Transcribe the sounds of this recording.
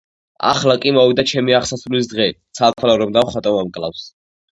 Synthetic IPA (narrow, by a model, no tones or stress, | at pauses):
a̰χlakʼimɔvid̪at͡ʃʰɛmiaχsasvɾlis̬d̪ʁɛt̪sʰalkʰalaɾɔbd̪amχat̪ʼɔmamkʼlˠafs